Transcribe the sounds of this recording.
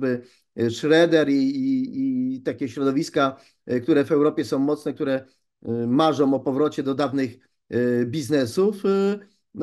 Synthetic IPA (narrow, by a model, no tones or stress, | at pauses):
bɘ | ʂɾɛd̪ɛɾiː | t̪akʲɛɕɾɔd̪ɔvʲiska | k̚t̪uɾɛvɛwɾɔpʲjɛsɔ̃w̃mɔt̪snɛk̚t̪uɾɛ | maʐɔ̃w̃ɔpɔvɾɔt͡ɕɛd̪ɔd̪avnɘx | bʲiznɛsuf | n